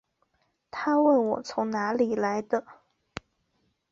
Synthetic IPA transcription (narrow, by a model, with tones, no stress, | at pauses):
t̪ʰa˥we˥˩ɪwɔ˨˩t͡sʰʊ˧˥ŋna˧˥li˨˩la˧˥ɪd̪ə˧